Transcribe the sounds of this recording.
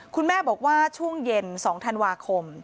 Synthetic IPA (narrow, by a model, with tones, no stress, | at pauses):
kʰu˧nmɛː˥˩bɔː˨˩k̚waː˥˩t͡ɕʰu˥˩əŋje˧nsɔː˩˦ŋt̪ʰa˧nwaː˧kʰo˧m